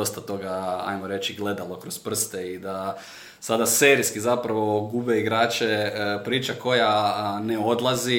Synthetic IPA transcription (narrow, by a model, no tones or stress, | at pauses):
o̞st̪at̪o̞ɡaa̰jmoɾe̞t͡ʃiɡle̞d̪alo̞kɾospr̩st̪eid̪a | sad̪aseɾiskizapɾaʋo̞ɡuːbeiɡɾaːt͡ʃepɾiːt͡ʃako̞janeo̞d̪lˠazi